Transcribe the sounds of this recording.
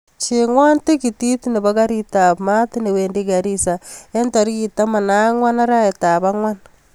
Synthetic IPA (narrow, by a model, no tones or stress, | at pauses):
t͡ʃeŋwantekititineβaɣaɾitamatineweːndiɡaɾisaentaɾiɣitamanaŋwanaɾaetaβaŋwana